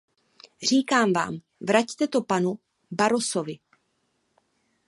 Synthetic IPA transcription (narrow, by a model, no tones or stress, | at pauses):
r̝iːkaːmva̰ːm | vɾact̪ɛt̪o̞panu | baɾoso̞vɪ